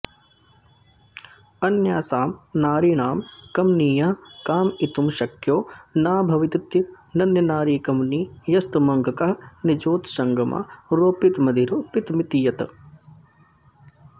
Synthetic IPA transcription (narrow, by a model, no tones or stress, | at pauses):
ɐnjaːsaːmnaːɾiːɳaːmkɐmniːjɐɦkaːmit̪umʃɐkjoːnaːbʱɐʋit̪it̪j | nɐnjɐnaːɾiːkɐmniːjɐst̪mɐŋɡʱɐkɐɦɐnid͡ʒoːt̪ʃɐŋɡɐmʔa̰ːɾoːpit̪mɐd̪ʱiɾoːpit̪mit̪ijɐt̪